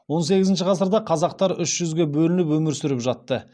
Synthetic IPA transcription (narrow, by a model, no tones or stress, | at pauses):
wo̞nse̞ɡʲɪzɪnʃ̬ɪqʰɑsəɾd̪ɑqʰɑzɑq̚t̪ɑɾʏʃʒ̥ʏzɡʲe̞bɵlɪnɪp̬wɵmɪɾsʏɾɪpʒɑt̪ːə